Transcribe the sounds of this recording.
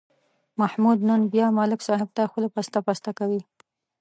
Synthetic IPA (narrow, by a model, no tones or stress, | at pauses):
mahmud̪nənbjɑmɑlɪksɑɦɪb̚t̪axpəlapast̪apɑst̪akawi